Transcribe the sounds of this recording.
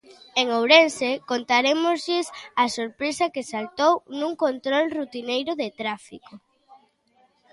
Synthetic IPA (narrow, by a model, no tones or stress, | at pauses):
eŋowɾensekont̪aɾemozʎɪsasoɾpɾesɐkesalt̪ownũŋkont̪ɾolrut̪inejɾʊðet̪ɾafiko